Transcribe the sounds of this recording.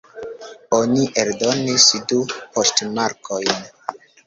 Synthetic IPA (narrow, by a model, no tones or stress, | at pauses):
oniʔeldo̞nisdupo̞stmaɾkʰo̞jn